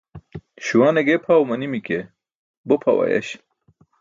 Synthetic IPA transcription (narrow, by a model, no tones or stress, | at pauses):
ɕuwaːneɡepʰawmɐnimike | bopʰɐwɐ̰jɐ̰ɕ